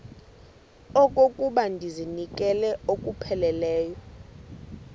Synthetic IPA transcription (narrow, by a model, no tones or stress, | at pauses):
ɔkʼokʼuɓandʱizinikʼɛlɛokʼupʰɛlɛlɛːjɔ